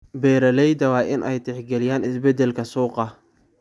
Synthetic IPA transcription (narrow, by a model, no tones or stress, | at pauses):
bɛːɾɐlɛjd̪ɐwɑːʔɪnʔɛjt̪ʰɪħɡɛlɪjaːnɪsbɛd̪ɛlkʰɐsuːqɑ